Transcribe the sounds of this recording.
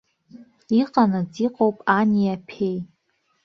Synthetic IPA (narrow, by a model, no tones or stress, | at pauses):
iqʼanɨd͡ziqʼowpʼaniapʰej